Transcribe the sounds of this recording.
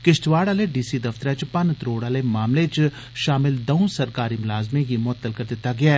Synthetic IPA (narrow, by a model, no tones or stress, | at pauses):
kɪʃʈʋaːɽaleɖiːsid̪ɐft̪əɾɛt͡ʃpɐnt̪ɾoːɽaːlemaːmlet͡ʃ | ʃaːmɪld̪ɐũsɐɾkaːɾimʊlaːzmẽjemʊət̪ːəlkɐɾd̪ɪt̪ːaɡɪjaɛ